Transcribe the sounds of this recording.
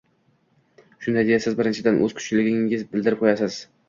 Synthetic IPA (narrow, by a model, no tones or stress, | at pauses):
ʃʊnd̪ajd̪ejasɪzbɪɾɪnt͡ʃʰɪd̪anʔɵ̰z̥kʰʊ̥t͡ʃʰlɪɡʲɪŋɪzbɪld̪ɪɾɪp̚qʰojasɪz̥